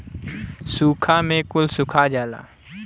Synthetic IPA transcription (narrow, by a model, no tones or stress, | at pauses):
suːkʰamẽkʊlsʊkʰad͡ʒaːla̰ː